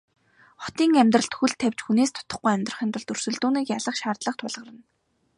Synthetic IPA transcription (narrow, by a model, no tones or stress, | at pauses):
χɔ̥t̪iːŋæmʲt̪rə̆ɬt̪xuɮt̪ʰːæw̥ʲt͡ɕxuneːst̪ʰʊ̥t̪ə̆χɡujæmʲt̪rə̆χiːnt̪rə̆ɮt̪ɵr̥sɵ̆ɮt̪uːniːkjaɮə̆χʃaːrt̪ɮə̆χt̪ʰʊɮʁə̆rə̆n